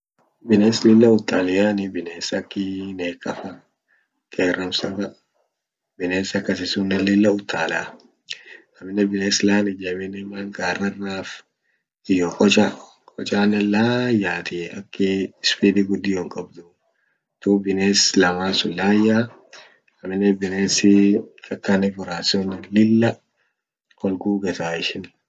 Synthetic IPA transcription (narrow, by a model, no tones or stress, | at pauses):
bɪneːslɪlːɐʊt̪ːaːlɪjaːnɪbɪneːsɐkːɪneːkʼːɐfɐ | kʼeːrɐmsɐɡɐ | bɪneːsɐkːɐs̬ɪsʊnːɛlɪlːɐʊt̪ːaːlaː | ɐmɪnːɛbɪneːslaːnɪd͡ʒɐbɛnɛmaːŋɡaːrːɐrːaːf | ɪjokʼɔt͡ʃʼɐ | kʼɔt͡ʃʼaːnːɛlaːjaːt̪ɪɐ̰kːɪspiːd̪ɪɡʊd̪ːiːwɔŋkʼɐbd̪ʊ | t̪uːbɪneːslɐmaːnsʊlːaːjːa | ɐmɪnːɛbɪneːsɪkɐkːanɛɡʊɾaːsuːnːɛlɪlːɐ | kɔlɡuːɡɛt̪aːɪʃɪn